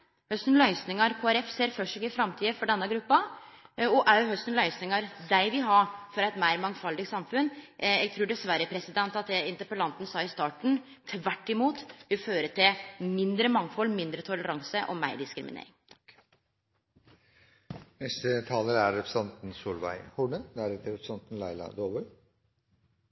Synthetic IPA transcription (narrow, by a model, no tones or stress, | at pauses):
hœst̪n̩lœʏsnɪŋɑɾkʰoːæɾɛfseːɾfœʂɪkɪfɾɑmt̪ʰiːd̪əfɔɖɛnːəɡɾʉpːɑ | ɔʔæɦœst̪ənlœʏsnɪŋɑɾd̪æɪʋɪlɦɑfɔɾæɪt̪mæɪɾmɑŋfɑld̪ɪɡsɑmfʉnɛɡ̚t̪ʰɾuːɖɛsʋæɾəpʰɾɛsɪd̪ɛnt̪ɑt̪d̪ɛɪnt̪əɾpəlɑnt̪n̩sɑːɪst̪ɑːʈɳ̩ | t̪ʰʋæʈːɪmuːt̪ʋɪlføːɾət̪ʰɪmɪnd̪ɾəmɑŋːfɔlːmɪnd̪ɾət̪ʰʊləɾɑŋsəʔɔ̰mæɪɖɪskɾɪmɪnḛːɾɪ̰ŋ | nɛst̪ət̪ʰɑːləɾæɾːɛpɾə̥sɑnt̪n̩suːlʋæ̰ɪhʊɳənd̪æːɾɛt̪əɾɛpɾsɑnt̪n̩læɪlɑ̰d̪oːbœ